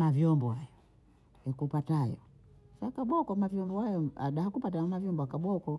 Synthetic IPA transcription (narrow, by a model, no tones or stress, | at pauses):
mavjɔmbɔhajɔ | akupataajɔ̰ | sakaɓɔkɔmavjɔmbɔhajɔa̰ɗahakupat̬amavjɔmbɔakaɓɔkɔ